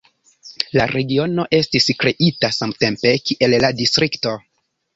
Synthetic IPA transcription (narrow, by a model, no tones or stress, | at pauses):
laɾʔe̞ɡio̞no̞ʔe̞stiskɾe̞ʔitasamte̞mpe̞kiʔe̞lladistɾikto̞